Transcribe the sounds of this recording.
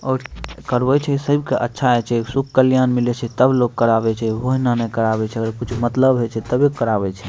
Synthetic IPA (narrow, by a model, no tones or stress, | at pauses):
ɔːɾkəɾbɛt͡ʃʰɛsəbkeʔə̰tːʃʰaɛt͡ʃʰɛsukʰkəljanmilɛt͡ʃʰɛt̪əblokːəɾabɛt͡ʃʰɛɦoɦinanɛkəɾabɛt͡ʃʰɛəɡəɾkut͡ʃʰmət̪ləbɦɛt͡ʃʰɛt̪əbekkːəɾabɛt͡ʃʰɛ